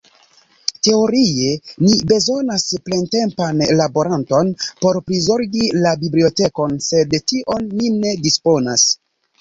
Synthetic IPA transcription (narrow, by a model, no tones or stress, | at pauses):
te̞o̞ɾie̞nibe̞zo̞nasple̞nte̞mpanlabo̞ɾanto̞npo̞ɾpɾizo̞ɾɡilabiblio̞te̞ko̞nse̞dtiʔo̞nːine̞dispo̞nas